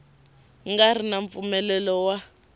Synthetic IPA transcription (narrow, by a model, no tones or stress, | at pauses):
ŋɡaɾinaɱfumɛlɛlɔwa